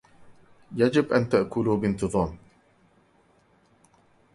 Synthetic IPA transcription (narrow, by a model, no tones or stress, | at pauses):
jad͡ʒɪbʔant̪aʔkʊluːbɪnt̪ɨðˤɑːm